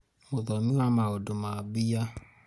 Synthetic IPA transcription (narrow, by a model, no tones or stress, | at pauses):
mʊðɔmĩamaodomabija